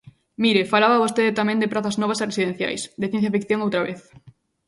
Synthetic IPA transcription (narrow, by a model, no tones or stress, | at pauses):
miɾefalaβaβost̪eðɪt̪amɛ̃nd̪ɪpɾaθɐznɔβɐseresiðẽn̟θja̰jsd̪eθjen̟θjafikθjõŋowt̪ɾaβeθ